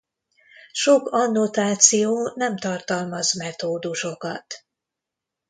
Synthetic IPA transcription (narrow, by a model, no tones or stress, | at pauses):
ʃokɒnːot̪aːt̪sijoːnɛmt̪ɒrt̪ɒlmɒzmɛt̪oːd̪uʃo̞kɒt̪